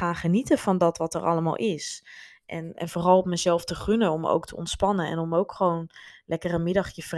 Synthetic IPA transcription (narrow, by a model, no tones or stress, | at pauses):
aːχənitəvɑndɑtʋɑtərʔɑ̰ləma̰ːlˠʔɪs | ʔɛnɛ̰nvoːrɑlˠɔpməzɛlˠftəχɵnənɔmo̰wktʰəɔ̰ntspɑnənɛ̰nɔmowkχəʋownlʔɛkərənmɪdɑχjəfr